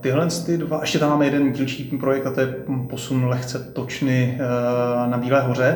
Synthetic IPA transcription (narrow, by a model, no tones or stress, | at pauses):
t̪ɪɦlɛnst̪ɪdvaʔɛʃcɛt̪amaːmɛjɛdɛnɟiːlʃiːpɾo̞jɛk̚t̪at̪ojɛposunlɛxt͡sɛt̪ot͡ʃnɪ | nabiːlɛːɦo̞r̝ɛ